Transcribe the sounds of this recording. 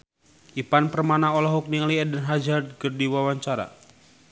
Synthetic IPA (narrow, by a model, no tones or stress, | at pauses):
ʔipanpərmanaɔlaɦuk̚niŋliɛdənɦad͡ʒard̚kərdiwawaɲt͡ʃaɾa̰